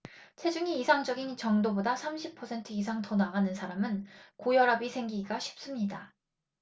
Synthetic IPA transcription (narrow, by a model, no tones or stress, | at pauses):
t͡ɕʰe̞d͡ʑuŋiːsʰaŋd͡ʑʌɡint͡ɕʌŋdobodasʰamɕʰipʰʌsʰe̞ntʰɯisʰaŋtʌnaɡanɯnsʰaɾamɯnkojʌɾabisʰe̞ŋɡiɡiɡaɕʰi̥p̚s͈ɯmɲida